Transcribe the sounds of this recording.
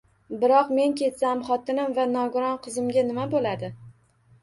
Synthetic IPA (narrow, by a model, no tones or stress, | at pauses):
bɪɾɒqme̞ŋkʲe̞t̪samχɒt̪ɪnɪmvanɒɡʊɾɒnqʰɨzɪmɡʲanɪmabolad̪ɪ